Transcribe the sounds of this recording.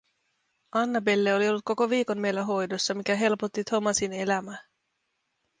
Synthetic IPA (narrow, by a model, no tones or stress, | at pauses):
ʔɑnːɑbe̞lːeo̞lio̞lːut̪̚ko̞ko̞ʋiːko̞nme̞jlːæɦo̞jdosːɑmikæɦe̞lpot̪ːit̪ʰo̞mɑsine̞læmæ